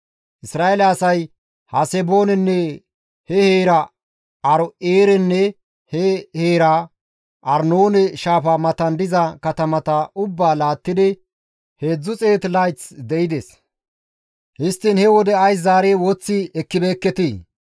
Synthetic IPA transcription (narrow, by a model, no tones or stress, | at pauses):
ʔɪsɾaːʔelɛɐsɐj | hɐsɛbo̞ːnɛnːɛ | hɛheːɾɐ | ɐɾɔeːɾɛnːɛ | hɛheːɾa | ʔɐɾnoːnɛʃaːfɐmɐt̪ɐnd̪ɪzɐkɐt̪ɐmɐt̪ɐʊbːaːlaːt̪ːɪd̪ɪ | he̞ːd͡zːʊt͡sʼe̞ːt̪lɐjt̪sd̪ɛɪd̪ɛs | hɪst̪ːɪnhɛwɔd̪ɛɐjs̬zaːɾeːwɔt͡sːɪɛkːɪbeːkːɛt̪iː